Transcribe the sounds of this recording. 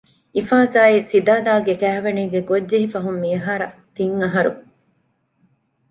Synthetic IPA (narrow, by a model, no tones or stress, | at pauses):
ifaːzaːisid̪aːd̪aːɡekæːʋeniːɡeɡodːeɦifɐɦumːiɐɦaːɾɐt̪iŋːɐɦɐɾṵ